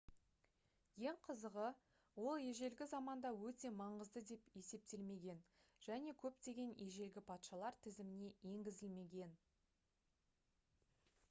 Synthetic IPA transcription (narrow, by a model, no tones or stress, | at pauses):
je̞ŋqʰəzəʁə | wo̞lˠje̞ʒe̞lɡʲɪzɑmɑnd̪ɑwɵt̪e̞mɑɴəzd̪əd̪e̞pje̞se̞p̚t̪e̞lme̞ɡʲe̞nʒ̥æne̞kʲʰɵpt̪e̞ɡʲe̞ne̞ʒe̞lɡʲɪpʰɑt̪ʃɑlˠɑɾt̪ʰɪzɪmɪne̞je̞ŋɡʲɪzɪlme̞ɡʲe̞n